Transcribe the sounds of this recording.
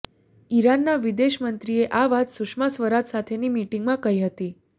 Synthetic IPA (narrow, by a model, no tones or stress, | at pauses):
iɾanːaʋid̪eɕmənt̪ɾijeʔaʋat̪sukʂmasʋəɾat̪sat̪ʰeniːmiʈiŋɡmakəɦjɦət̪iː